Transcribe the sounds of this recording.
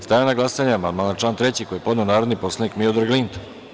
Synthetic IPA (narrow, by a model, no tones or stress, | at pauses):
st̪ajanaɡlˠasaɲamand̪malat͡ʃlaːnt̪ɾet͡ɕikojepo̞d̪neonaːɾod̪nipo̞slˠeniːkmiod̪aɾɡlint̪o